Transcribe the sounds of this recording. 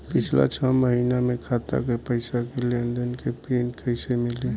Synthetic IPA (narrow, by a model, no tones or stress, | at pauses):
pɪt͡ʃʰla̰t͡ʃʰəməɦinamẽkʰat̪a̰kepəɪsakelend̪ənkepenkʰəɪsemɪle